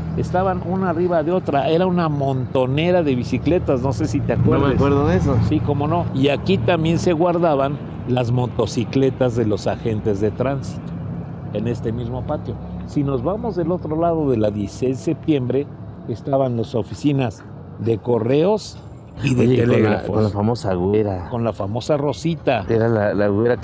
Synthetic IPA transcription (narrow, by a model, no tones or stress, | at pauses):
est̪aβanunaːriβaðeo̞t̪ɾae̞ɾaunamõ̞nt̪o̞ne̞ɾaðe̞β̞isikle̞t̪azno̞se̞sit̪eakweɾðmeweɾðoðesosiko̞mo̞no̞iakit̪ambje̞nse̞ɣwaɾðaβan | lazmo̞t̪o̞sikle̞t̪azðe̞lo̞saxe̞nt̪e̞zðe̞t̪ɾansi̥t̪o̥ | e̞ne̞st̪e̞mizmo̞pat̪jo̞sino̞zβamo̞zðe̞lo̞t̪ɾo̞lað̞o̞ðe̞laðjesi̥sejzðese̞p̚t̪je̞mbɾe̞ | est̪aβanloso̞fisinaz | ðe̞ko̞re̞o̞s | iðeeeleɣɾafonlafamo̞saɣweɾako̞nlafamo̞saro̞sit̪aeɾalalaɣweɾa